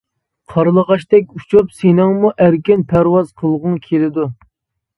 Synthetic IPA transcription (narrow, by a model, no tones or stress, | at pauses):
qʰɑɾlˠəʁɑʃt̪ɛk̬̚ʲut͡ʃʰupsenɪŋmuʔæɾkʲɪnpʰæɾwɑz̥qʰəlˠʁʊŋkʲʰelɪd̪u